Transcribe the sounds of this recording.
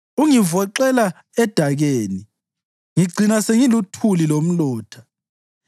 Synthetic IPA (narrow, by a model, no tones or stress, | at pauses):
uŋivɔǃɛla | ɛd̥ʱaɣeːni | ŋiɡ͡ǀʱinaseŋilutʰulilom̩lɔːtʰḁ